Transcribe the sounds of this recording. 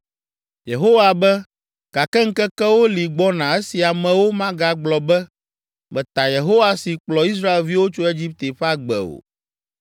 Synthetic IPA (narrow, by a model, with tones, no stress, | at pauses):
je˨ɦo˦wa˨bɛ˦ | ɡ̥a˨kɛ˦ŋ̩˦kɛ˦kɛ˦wo˦li˨ɡ͡bɔ˦nã˨e˦si˨a˨mɛ̃˨wo˦mã˦ɡa˨ɡ͡blɔ˨bɛ˦ | bɛ˨t̪a˨je˨ɦo˦wa˨si˨k͡plɔ˨i˦s̬ɾa˦e˨lvi˦wo˦t͡ʃo˦e˦d͡ʑi˦p̚t̪e˨ɸa˦ɡ͡bɛ̰˨o̰˨